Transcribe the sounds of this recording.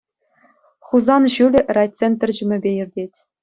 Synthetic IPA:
χuzɑnʑylʲɘ̆rɑjtt͡sʲenʲt̪ʲɘrʲd͡ʑɘ̆mʲɘ̆bʲejirʲdʲetʲ

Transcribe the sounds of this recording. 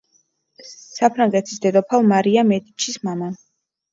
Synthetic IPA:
sapʰɾaŋɡɛt̪ʰi̥sd̪ɛd̪ɔpʰalmaɾiamɛd̪it͡ʃʰismama

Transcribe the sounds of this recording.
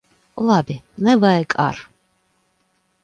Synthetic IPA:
labinɛvaɛkʼa̰ɾ

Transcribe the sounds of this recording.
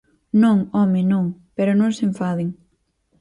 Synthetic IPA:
nõŋɔmɪnõŋpeɾʊnõŋseɱfaðɪŋ

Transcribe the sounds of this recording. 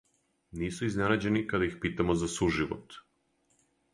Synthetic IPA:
niːsuiznenad͡ʑe̞nikad̪aixpiːt̪amozasuʒiʋo̰t̪

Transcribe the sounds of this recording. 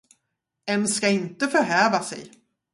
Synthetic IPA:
ɛnskaɪnt̪əfœɾɦɛːvasɛ̰j

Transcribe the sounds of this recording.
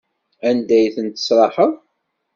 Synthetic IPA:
ænd̪æjθənt̪ə̥sɾˤɑħəðˤ

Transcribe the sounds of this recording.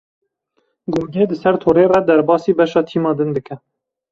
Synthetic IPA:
ɡoɡeːd̪ɨsɛɾt̪ʰoːɾeːrɛd̪ɛɾbɑːsiːbɛʃɑːt̪ʰiːmɑːd̪ɨnd̪ɨkɛ

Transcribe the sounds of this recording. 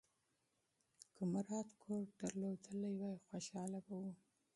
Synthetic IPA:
kʰəmaɾɑt̪kʰoɾɖ̪̥aɾlod̪əlajwajxwaʃɑlabawu

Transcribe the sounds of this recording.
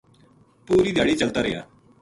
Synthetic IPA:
puːɾiːd̪aːɽiːt͡ʃəlt̪aːɾɪ̰ja̰ː

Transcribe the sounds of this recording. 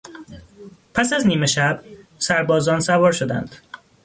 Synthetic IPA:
pʰæsæzniːme̞ʃæbsæɾbɒːzɒːnsævɒːɾʃod̪æ̰nd̪̥

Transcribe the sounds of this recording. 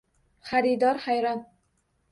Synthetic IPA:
χaɾid̪ɒɾχajɾɒn

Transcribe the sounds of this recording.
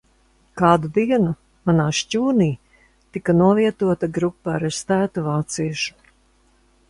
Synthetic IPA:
kaːd̪ud̪iɛnu | manaːʃcuːniː | t̪ikanuɔviɛt̪uɔt̪aɡɾupːaɾɛst̪æːt̪uvaːt̪siɛʃu̥

